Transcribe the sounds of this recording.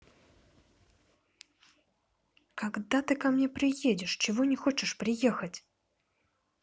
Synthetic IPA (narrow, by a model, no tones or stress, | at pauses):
kaɡd̪at̪ɨkamnʲepɾʲɪjedʲɪʂt͡ɕɪvɔnʲɪxot͡ɕɪʂpɾʲɪjexət͡sʲ